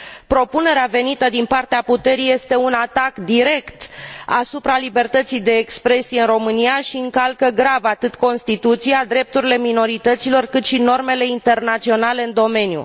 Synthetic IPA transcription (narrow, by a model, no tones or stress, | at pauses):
pɾo̞pune̞ɾeave̞nit̪əd̪inpart̪eaput̪e̞ɾije̞st̪e̞unat̪akd̪iɾe̞kt̪asupɾalibe̞rt̪ət̪sijd̪e̞ːkspɾe̞sijeɨnro̞mɨnijaʃiɨŋkalkəɡɾavat̪ɨt̪ko̞nst̪it̪ut̪sijad̪ɾe̞p̚t̪uɾile̞mino̞ɾit̪ət̪silo̞rkɨt̪ʃino̞rme̞le̞int̪e̞rnat̪sio̞nale̞ɨnd̪o̞me̞njṵ